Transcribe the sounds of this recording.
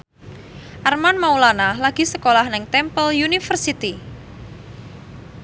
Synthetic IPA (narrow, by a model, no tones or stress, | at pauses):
ʔarmanmaulanalaɡ̥i̤səkolahnɪŋt̪ɛmpəljunifərsit̪i